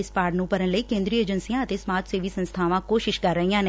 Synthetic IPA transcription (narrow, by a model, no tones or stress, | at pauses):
ɪspaːɾɖnũːpəɾənləiːkẽːnd̪ɾiːeːd͡ʒənsijãːət̪eːsmaːt̪seːʋiːsə̃nst̪ʰaːʋãːkoːʃɪʃkəɾːəijãːne